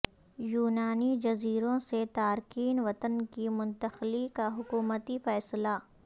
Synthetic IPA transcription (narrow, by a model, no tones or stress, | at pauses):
juːnaːnid͡ʒɐziːɾõset̪aːɾkiːnʋɐt̪ənkimʊ̃nt̪əxlikaɦʊkuːmət̪ifɛːsla